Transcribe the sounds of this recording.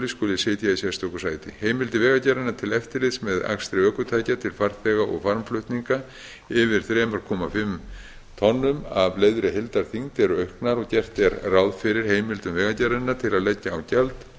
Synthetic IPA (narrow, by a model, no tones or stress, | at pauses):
liskoːlɪsɪːt̪jaisjɛst̪owkʏ̥saːjt̪ɪ̰heːjmɪlt̪ɪvɛːɣacɛɾɪnːat̪ʰɪlɛft̪ɪɾlɪðsmɛða̰kst̪ɾɪœːkʏt̪ʰaːjcat̪ʰɪlfaɾ̥θɛːɣaʔɔ̰ɣfaɾmflœht̪niŋka | ɪvɪɾ̥θɾɛːmʏɾ̥kʰɔːmafɪm | t̪ʰɔnːʏmavleːjðɾɪɦɪlt̪aɾ̥θiŋt̪ɛɾʏœɥhknaɾɔɣcɛr̥t̪ɛɾrawðfɪɾɪɾ̥heːjmɪlt̪ʏmvɛːɣacɛɾɪnːaɾt̪ʰɪlaðlɛcːaːwcɛlt̪